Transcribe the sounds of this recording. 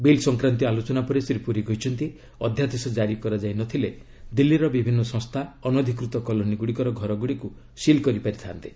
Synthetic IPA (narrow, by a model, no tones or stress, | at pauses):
bilsɔŋkɾant̪ialot͡ʃɔnapɔɾesɾipuɾiɡɔɦit͡ʃʰɔnt̪i | ɔd̪ʱjat̪esɔd͡ʒaɾikɔɾad͡ʒajnɔt̪ʰile | d̪ilːiɾɔbibʱinːɔsɔ̃ŋst̪ʰaɔnɔd̪ʱikɾut̪ɔkɔlɔniɡuɽikɔɾɔɡʱɔɾɔɡuɽiku | silkɔɾipaɾit̪ʰant̪i̥